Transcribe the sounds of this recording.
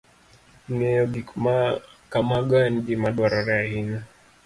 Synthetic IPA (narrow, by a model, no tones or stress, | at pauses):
nɛɔɡimakamaɡand͡ʒimaɗwaɾaɾɛahina